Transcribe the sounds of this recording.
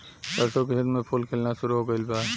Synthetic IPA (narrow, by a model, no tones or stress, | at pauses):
təɾsokeɦed̪mepʰulkʰelnasʊɾuɦoɡəɪlba